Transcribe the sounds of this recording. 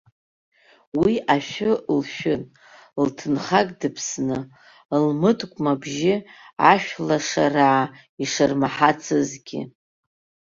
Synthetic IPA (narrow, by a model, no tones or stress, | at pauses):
wiaʃᶣʊlʃᶣʊn | ltʰɨnχakʼdɨpʰsnɨ | lmɨtʼkʷʼmabʒɪaʃᶣlaʂaraʕa | iʂɨrmaħat͡sʰɨzɡʲɪ̰